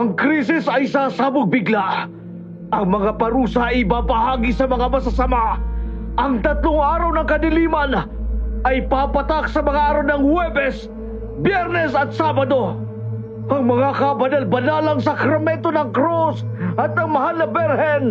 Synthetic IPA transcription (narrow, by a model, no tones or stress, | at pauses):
ʔɐŋkɾisɪsɐjsasaːbʊk̚bɪɡla | ʔɐŋmɐŋapɐɾuːsaʔɪbaːbɐhaːɡisɐmɐŋamɐs̬ɐsɐma | ʔɐŋt̪ɐt̪lʊŋʔaːɾɐwnɐŋkɐd̪ɪliːmɐn | ʔɐjpapɐt̪ak̚sɐmɐŋaʔaːɾawnɐŋhwɛbɛs | bjɛɾnɛsɐt̪saːbɐd̪o̞ | ɐŋmɐŋakɐbɐnalbɐnaːlɐŋs̬ɐkɾɐmɛnt̪onɐŋkɾos | ɐt̪ːɐŋmɐhalnɐbɛɾhɛn